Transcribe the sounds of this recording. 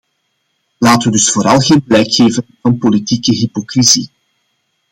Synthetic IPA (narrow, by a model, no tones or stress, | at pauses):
laːtəʋədʏsfoːɾɑlˠɣeːnblɛjkxeːvənvɑnpolitikəɦipokrizi